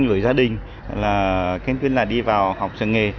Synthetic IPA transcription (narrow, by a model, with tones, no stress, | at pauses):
ŋlɨ˨˧˩əjzaː˧ɗï˨˩ŋ̟ | laː˨˩kaː˨˧˦ŋt̪wi˧ənlaː˨˩ɗi˧vaː˨˩whɔ˨˩wk͡p̚t͡ɕɨ̰˨˧˩ŋe˨˩